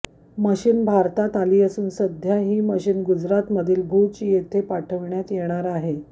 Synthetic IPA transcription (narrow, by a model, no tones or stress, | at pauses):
məɕiːnbʱaɾt̪at̪aliːəsuːnsəd̪ʱjaɦiːməɕiːnɡud͡zɾat̪məd̪ʱiːlbʱut͡ɕiːjet̪ʰepaʈʰəʋɳjat̪jeɽ̃aɾaɦe